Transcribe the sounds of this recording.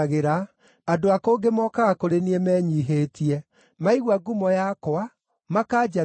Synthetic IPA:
ɣeɾa | adoakoːɡemɔkaɣakoɾeniɛmɛɲiːɦeːtiɛ | maiɣwaɡumɔjakoa | makaːd͡ʒa

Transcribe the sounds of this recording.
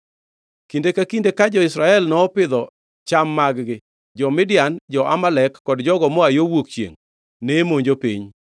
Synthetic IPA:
kindekakindekad͡ʒɔɪsɾaɛlnɔːpɪd̪ɔ | t͡ʃamːaɡɡɪ | d͡ʒɔmɪdɪjand͡ʒɔʔamalɛkːɔdd͡ʒɔɡɔmɔajowokt͡ʃḛŋ | nemoɲd͡ʒopḭɲ

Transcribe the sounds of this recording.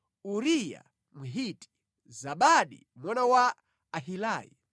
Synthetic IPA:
uɾija̰ | muɦitʼi̥ | zaɓaɗi | mɔnawaː | ɦilaːjḭ

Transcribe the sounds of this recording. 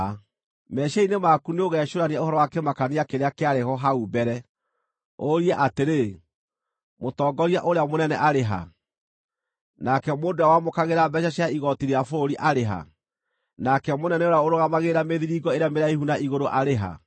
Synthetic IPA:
mɛʃainemakuneoɣɛʃoɾaneaohɔɾɔwakɛmakaneakeɾeakeaɾehɔɦaubɛɾɛ | oɾiɛʔateɾe | motɔːɡɔɾiaʔoɾeamonɛnɛʔaɾeɦa̰ | nakɛmoːndoawamokaɣeɾabɛʃaɕaiɣɔtiɾeafoɾiʔaɾeɦa̰ | nakɛmonɛnɛoɾaoɾoɣamaɣeɾameðiɾiːɡɔeɾejameɾaihunaʔiɣoɾoʔaɾeɦa̰

